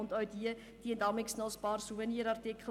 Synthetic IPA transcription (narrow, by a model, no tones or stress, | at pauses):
ʊntœɥdiə | d̥iəndɑmɪksnɑlˠspɑːrsuvəniəɾɑrtikʰl